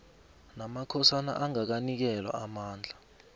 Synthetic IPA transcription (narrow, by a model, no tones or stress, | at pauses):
namakʰɔsana̰ʔaŋak̬anik̬ɛlwa̰amaːnd͡ɮʱa